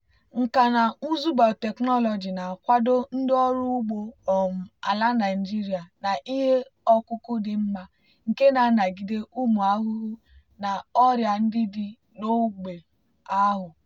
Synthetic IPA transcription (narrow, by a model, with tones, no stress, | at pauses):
ŋ̩˨ka˨na˨u˦zu˦ba˨te˨knɔ˦lɔ˨d͡ʒi˨na˨kʷa˦do˦n̩˦dɪ˦ɔ˦ɾʊ˦ɡ͡bo˦ɔ˨m̩˨a̰˨la˦na˨d͡ʒi˦ɾi˨a˨na˨ʔi˦ɦe˦ɔ˦kʊ˦kʊ˦dɪ˨m̩˦ma˦ | ŋ̩˨ke˦na˨˦na˨ɡi˦de˦ʔu˦mu˨a˦ɦʊ˦ɣʊ˦ | na˨ɔ˦ɾja˨n̩˦dɪ˦dɪ˨ | no˦ɡ͡be˨ | a˦ɦʊ˨